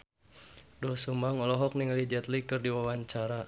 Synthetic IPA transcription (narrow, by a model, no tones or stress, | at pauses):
dɔsumaŋɔlɔɦɔk̚niŋalid͡ʒɛt̪likɨrdiwawaɲt͡ʃaɾa